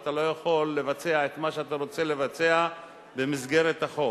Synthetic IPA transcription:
t̪alo̞jaχo̞lːe̞vat͡se̞aet̪maʃeat̪aʁo̞t͡se̞le̞vat͡sea | be̞mizɡe̞ʁetaχo̞

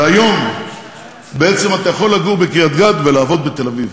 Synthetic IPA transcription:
ajo̞m | beet͡se̞mat̪ajaχo̞lːaɡuʁbekijad̪ɡad̪velaːvo̞d̪̚bet̪e̞laviv

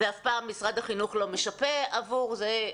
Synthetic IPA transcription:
veafpaːmːisʁad̪haχinuχlo̞meʃape̞avuʁze

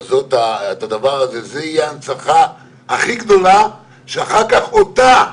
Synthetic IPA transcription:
zo̞t̪aetad̪avaʁazezeijeant͡saχa | aχiɡd̪o̞la | ʃeaχaʁkaχot̪a

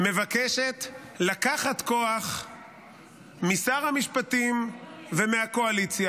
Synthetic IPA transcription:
me̞vakeʃe̞t̪ | lakaχat̪ko̞aχ | misaʁhamiʃpat̪imvemeako̞alit͡sja

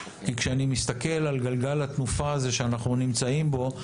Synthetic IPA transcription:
kikʃeanimist̪ake̞lalɡalɡalat̪nufaːze̞ʃeanaχnunimt͡saimbo̞

